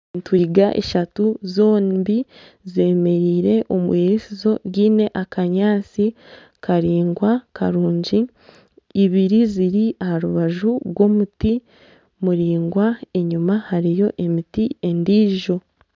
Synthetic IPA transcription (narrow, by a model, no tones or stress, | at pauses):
ntwiːɡaʔḛʃatuzo̞ːmbi | zeːme̞ɾiːɾe̞ʔomueɾesizo̞ɡiːne̞ʔakaɲaːt͡si | kaɾiːŋɡwakaɾuːɲɟiː | βiɾiziɾiahaɾuβaʒuɡɡwo̞muti | muɾiːŋɡwae̞ɲumahaɾijo̞ʔe̞mitie̞ndiːʒo̞